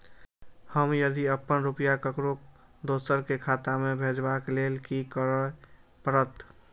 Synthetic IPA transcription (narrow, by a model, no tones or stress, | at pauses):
həmjəd̪iəpːənɾupjakəkɾokd̪osəɾkekʰat̪amebʱed͡ʒbaklelkikəɾəpəɾət̪